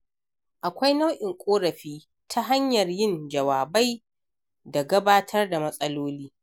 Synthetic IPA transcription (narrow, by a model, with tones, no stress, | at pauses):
ʔa˨kʷa˦jna˦wʔɪ˨ŋkʷʼoː˦ɾɐ˨ɸiː˦ | tʰa˦ɦa˦ɲjɐ˨rjɪ˦nd͡ʒɐ˨waː˨ba˦j | da˨ɡɐ˦baː˦tʰɐ˦rda˨mɐ˦sʼɐ˦loː˦liː˦